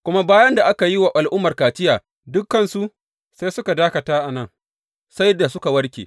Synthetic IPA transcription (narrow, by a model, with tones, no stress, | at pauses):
kʷʊ˦ma˦baː˦jɐ˦nda˨ʔa˦ka˨ji˦wa˨ʔa˨lʔʊ˦mːɐ˨rkaː˨tɪ˦jaː˨ | dʊ˦kːɐ˦nsu˦ʔ | sa˦jsʊ˦ka˨daː˦kɐ˨taː˦ʔa˨nɐ˦ŋ | sa˦jda˨sʊ˦ka˨wɐ˦ɽkʲḛː˨